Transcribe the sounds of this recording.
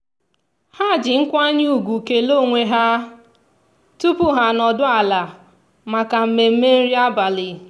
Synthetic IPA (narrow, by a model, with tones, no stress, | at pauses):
ha˦˨d͡ʒɪ˨ŋ̩˦kʷa˦ɲ˦u˦˨ɡʷu˨ke˨lo˦˨ŋʷe˨ɦa˦ | tu˦pʊ˦ɦa˨nɔ˨dʊ˦a˨la˨ | ma˨ka˨m̩˨me˨m̩˦me˦n̩˦ɾi˦a˦ba˨lɪ˨